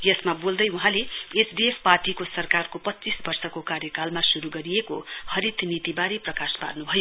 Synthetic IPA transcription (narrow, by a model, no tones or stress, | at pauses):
jʌsmabold̪ʌjuɦãleːsd̪espaʈikosʌrkarkopʌtːt͡sisbʌrsʌkokaɾjʌkalmasuɾuɡʌɾieko̰hʌɾit̪ʰnit̪ibaɾeprʌkaspa̰rnubʱʌjo